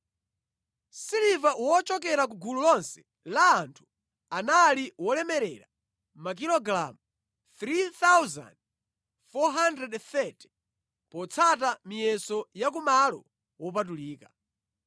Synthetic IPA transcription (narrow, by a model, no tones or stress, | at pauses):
silivawɔt͡ʃɔk̬ɛɾak̬uɡululɔnsɛ̥ | laːntʰu̥ | analiwɔlɛmɛɾɛ̰ɾa̰ | mak̬ilɔɡɾa̰mu | θɾiθawza̰nd̚ | fɔɦandrɾɛdθɛti̥ | pɔt͡sʰatamijɛsɔjak̬umalɔ̰ | wɔp̬at̬uliːka